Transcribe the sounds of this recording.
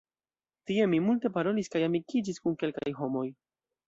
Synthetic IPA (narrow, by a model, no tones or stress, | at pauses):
tie̞mimulte̞paɾo̞liskajamikid͡ʒiskunke̞lkajɦo̞mo̞j